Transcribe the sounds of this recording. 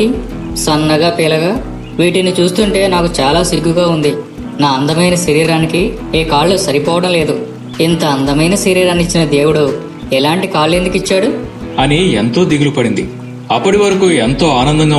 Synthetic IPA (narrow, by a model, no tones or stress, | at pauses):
i | sɐnːɐɡaːpeːlɐɡaː | ʋiːʈinit͡ʃuːst̪uɳʈe̞ːnaːkut͡ʃaːlaːsiɡːuɡaːund̪i | naːɐnd̪ɐmɐjnɐsɐɾiːɾaːniki | eːkaːɭːusɐɾipɔːʋɐɽɐmle̞ːd̪u | int̪ɐɐnd̪ɐmɐjnɐsiɾiːɾɐːnit͡ʃːinɐd̪eːwuɽu | ɛlaːɳʈikaːlːe̞ːnd̪ukit͡ʃːaːɽu | ɐnient̪o̞ːd̪iɡulupɐɽind̪i | ɐpːɐʈiʋɐɾɐkuent̪o̞ːaːnɐnd̪ɐŋɡaː